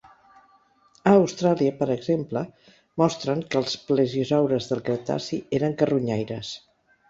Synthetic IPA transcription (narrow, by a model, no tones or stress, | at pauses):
əːwst̪ɾaliəpəɾəɡzemplə | mɔst̪ɾəŋkəːlˠspləʒizawɾəzðəlˠkɾət̪a̰sieɾəŋkəruɲajɾəs